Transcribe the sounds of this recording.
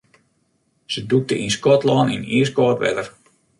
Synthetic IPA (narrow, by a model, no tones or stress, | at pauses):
səduk̚təʔinskɔtlɔːnḭniəskɔːtʋɛ̰dər